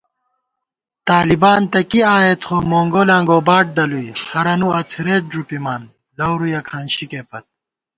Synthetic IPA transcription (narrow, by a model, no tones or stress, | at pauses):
t̪aːlibaːnt̪ɐkiaːet̪χoːmoːŋɡolãːŋɡoːbaːʈ̚d̪ɐlujhɐɾɐnuɐt͡sʰiɾeːʈ̚ɖɾupimaːn | lɐwɾujɐkʰaːnɕikeːpɐt̪̚